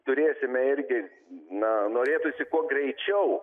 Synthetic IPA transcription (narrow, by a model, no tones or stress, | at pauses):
t̪ʊɾʲeːsʲɪmʲɛɪɾʲɡʲɪ | nɐnoːɾʲeːt̪ʊsʲɪkuɔɡɾʲɛɪt͡ʃʲɛʊ